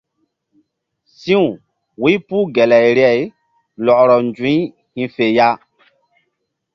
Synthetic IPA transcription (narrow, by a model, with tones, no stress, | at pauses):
sĩ˦ũ˨ | wi˦pu˦ɡɛ˨lɛ˨jɾjɛ˦˨j | lɔ˨ʔɾɔ˨nd͡ʒũ˨˦ | hĩ˨fe˨ja˦